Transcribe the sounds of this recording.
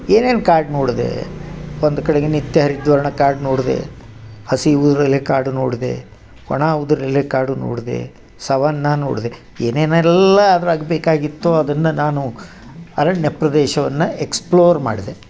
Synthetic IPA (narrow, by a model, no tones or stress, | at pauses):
eːneːnkaːɾɖnoːɽid̪ḛond̪ukɐɽeɡenit̪ːjɐɦɐɾid̪ʋɐɾɐɳɐkaːɾɖnoːɽid̪ḛhɐsiud̪ɾɐlːekaːɾɖunoːɽid̪ḛ | kɔ̰ɳaːʋud̪uɾɐlːekaːɾɖuno̰ːɽid̪ḛ | sɐʋɐnːano̰ːɽid̪e | eːneːnɛlːɐːd̪ɐɾaːɡbeːkaːɡit̪ːuɐd̪ɐnːɐnaːnu | ɐɾɐɳjɐpɾɐd̪ɛːʃɐʋɐnːɐeksploːɾma̰ːɽid̪e